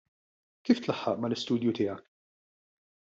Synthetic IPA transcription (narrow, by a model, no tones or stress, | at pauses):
kiːft̪lɐħːɐʔmɐlɪst̪uːd̪jut̪ɪːjɐk